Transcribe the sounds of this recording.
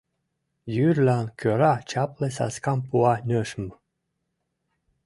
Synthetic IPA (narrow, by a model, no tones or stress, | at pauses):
jyɾlʲankʰʲøɾat͡ʃaplesa̰skampuanʲøʃm